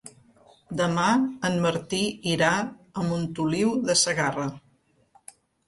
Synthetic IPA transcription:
d̪əmaənməɾt̪iiɾaəmunt̪uliwðəsəɣarə

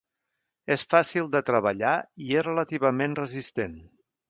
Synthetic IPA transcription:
esfasilˠd̪ət̪ɾəβəʎaiezrələt̪iβ̞əmenrəzist̪en

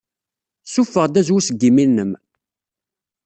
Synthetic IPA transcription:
sufːəʁd̪æzwusəɡːiminːəm

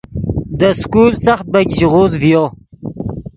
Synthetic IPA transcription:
d̪əskulsaχt̪̚baɡʲʑiʁozvjo

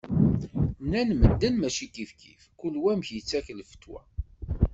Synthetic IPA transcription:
nænməd̪ːənmæt͡ʃit̪ifkḭfkulwæmçjət͡sːæklfə̥t̪ːwæ̰

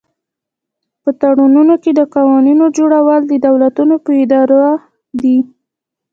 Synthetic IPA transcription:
pət̪aɽununoked̪əqɑwɑninod͡ʒoɽawəld̪əd̪awlat̪unopəɪd̪ɑɾa | d̪i

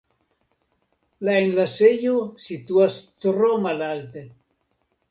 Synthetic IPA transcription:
laenlasejusit̪uast̪uɾomalalt̪e

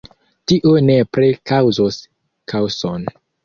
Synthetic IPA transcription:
tiʔone̞pɾekawzos | kʰawson

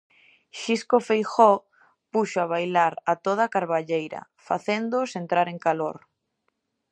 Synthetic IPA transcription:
ʃiskofejxɔ | puʃoaβ̞ajlaɾat̪oð̞akaɾβaʎejɾɐ̰ | fa̰θend̪ʊsent̪ɾaɾeŋkaloɾ

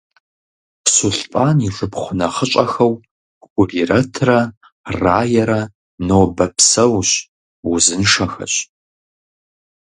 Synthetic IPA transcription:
suɬpʼaːniʂʼɨpχʷʊnɐχət͡ʃʼɐxɐw | ɡʷʊrirɐtʰrɐ | raːjɛɾɐ | noːbɐpʰsɐwɕ | wuzɨnʂɐxɐ̰ɕ

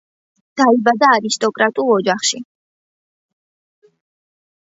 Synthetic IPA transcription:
d̪̥aibad̪aːɾist̪ʼɔkʼɾat̪ʼulˠɔd͡ʒaχʃi

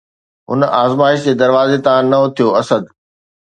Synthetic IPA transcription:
ɦʊ̰naːzmaːɪʃd͡ʑeːd̪ɐɾʋaːzet̪ããnɐot̪ʰijoɐsəd̪

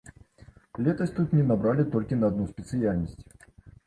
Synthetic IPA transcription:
lʲɛt̪ɐsʲt̪ut̪nʲɛnabɾalʲɪt̪ɔlʲkʲinɐːd̪̚nuspʲɛt̪sɨjalʲnəsʲt͡sʲ

